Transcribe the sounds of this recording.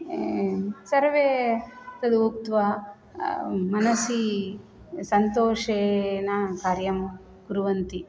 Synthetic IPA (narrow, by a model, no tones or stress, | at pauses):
sɐɾʋeːt̪ɐd̪uukt̪ʋa | mɐnɐsi | sɐnt̪oːʂeːnɐkaːɾjɐm | kuɾuʋɐnt̪i